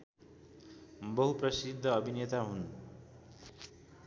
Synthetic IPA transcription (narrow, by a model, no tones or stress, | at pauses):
bʌɦuprʌsid̪ʱːʌːbʱinjʌt̪aɦun